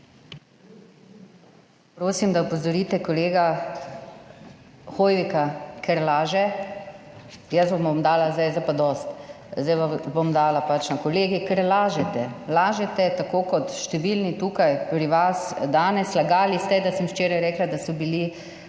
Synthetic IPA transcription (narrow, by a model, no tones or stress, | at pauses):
pɾoːsimd̪aupozɔɾiːt̪ɛkɔleːɡa | xoːjʋikakʰɛɾlaːʒɛ | jəsbomomd̪aːlazd̪ajzaɪjpad̪ɔst̪ | zd̪ajʋabomd̪aːlapat͡ʃnakɔleːɡikɛɾlaːʒɛt̪ɛlaːʒɛt̪ɛt̪akoːkɔt̪ʃt̪ɛʋilnit̪uːkajpɾiʋasd̪aːnɛslaɡaːlist̪ɛd̪asəmʃt͡ʃeːɾajɾɛːklad̪asɔbili